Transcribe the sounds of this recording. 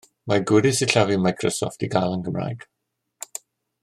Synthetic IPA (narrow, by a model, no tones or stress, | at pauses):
maɡɪɾɪsiɬavimajkʰrɔsɔ̰ftiɡalˠənɡəmra̰ːjɡ̥